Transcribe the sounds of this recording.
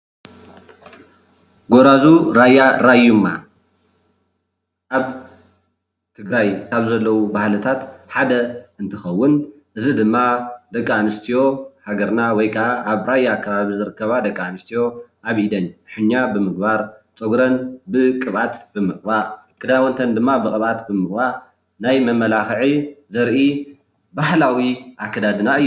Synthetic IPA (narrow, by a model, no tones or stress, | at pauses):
ɡoɾazuɾajːaɾajumːa̰ | ʔaβ | t̪ʰɨɡɾajkʰaβzɐlːɐwubahlɨt̪ʰat̪ħad̪ɐɨnt̪ʰɨxɐwːʊn | ʔɨzid̪ɨmːad̪ɐkʼːaanɨst̪ʰijo̞haɡɐɾnawɔjkʰɐʔaʔːβɾajːakʰːɐβaβizɨɾɨkːɐβad̪ɐkʼːaanɨst̪ʰijo̞ʔaβid̪ɐnħɨɲːabɨmɨɡ̚baɾt͡sʼoɡɾɐnbɨkʼɨβʔat̪bɨmɨχʼbakʰʼɨd̪awɔnt̪ʰɐnd̪ɨmːabɨkʼɨβat̪bɨmɨɡbaɾ | najmɐmːɐlaxʕizɐɾʔi | bahlawiʔakʰːɐd̪ad̪ɨnaɨjːu